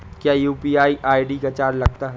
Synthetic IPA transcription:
kjaːjuːpiaːiʔaːiɖikat͡ʃaːɾlɐɡ̚t̪aɦɛ

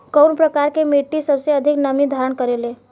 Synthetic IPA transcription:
kəwnpɾəkaɾkemeʈːisəbseəd̪ʱiknəmid̪ʱaɾəɳkəɾele

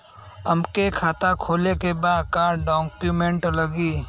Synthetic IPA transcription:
əmkekʰaːt̪akʰoːlekebaːd̪kaːɾɖɔːkjumẽɳʈləɡiː

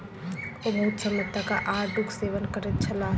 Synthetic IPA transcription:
obəɦʊt̪səmət̪akaʔaːɾɖukseːʋənkəɾet̪̚t͡ʃʰɐlaː

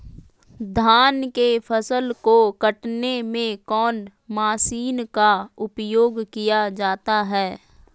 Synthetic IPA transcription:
d̪ʱaːnkepʰəsəlkokəʈnemẽkɔːn | maːsiːnkaʊpjoːɡkijad͡ʒaːt̪aɦɛː

